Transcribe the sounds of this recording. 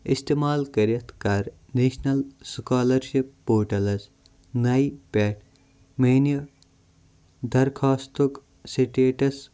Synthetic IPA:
ist̪emaːlkɐɾet̪ʰkaɾ | nesnɐlskaːlɐɾʃipːoːɾʈɐlɐs | nɐipeːʈ̚ʰ | meno | d̪ʱɐɾkʰaːst̪ok | siʈeːʈɐs

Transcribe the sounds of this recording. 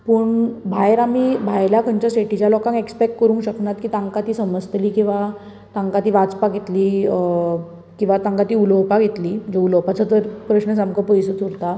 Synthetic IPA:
pəːɳbʱajɾamibʱajlakʰəɲt͡ɕjaɕeʈit͡ɕalɔkãŋekspek̚ʈkəɾũŋɕəknat̪kiːt̪ãŋkat̪iːsəməd͡zt̪liːkĩw̃ʋa | t̪ãŋkat̪iːʋat͡spaɡʱet̪liː | kĩw̃ʋat̪ãŋkat̪iːuləwpaɡʱet̪liːd͡ʑeuləwpat͡sət̪əɾpɾəɕnəsamkəpəjsət͡s̪uɾt̪a

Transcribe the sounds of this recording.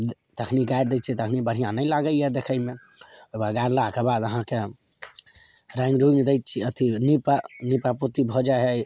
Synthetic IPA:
t̪əkʰniɡajɾd̪ɛj̚t͡ʃʰit̪əkʰnibəɽ̤ijãnəɪlaɡəljɛd̪ekʰəme | obaɡaɾlakebad̪əɦãke | ɾãŋɡɾuĩŋɡd̪ɛjt̪̚t͡ʃʰiət̪inipanipaput̪ibʱɔd͡ʒaeɦɛj

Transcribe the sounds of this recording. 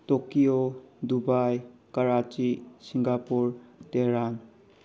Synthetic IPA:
tokiodubajkaɾat͡ʃisiŋɡapuɾteɾan

